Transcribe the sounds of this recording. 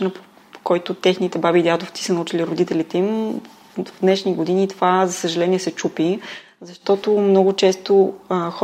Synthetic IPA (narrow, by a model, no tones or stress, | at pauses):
nəp | kɔjt̪ʊt̪ɛxnit̪ɛbabiːd̪ʲad̪oft̪si̥sənɐut͡ʃiliɾod̪it̪ɛlit̪ɛim | vd̪nɛʃniɡod̪inʲit̪ovazɐsəʒɐlɛnʲiɛsɛt͡ʃupi | zɐʃt̪ɔt̪omnɔɡʊt͡ʃɛst̪oəx